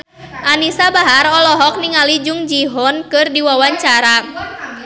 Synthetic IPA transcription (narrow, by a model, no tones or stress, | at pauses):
ʔanisabaɦaɾɔlɔɦɔk̚niŋalid͡ʒʊŋd͡ʒiɦɔnkɨrdiwawaɲt͡ʃaɾa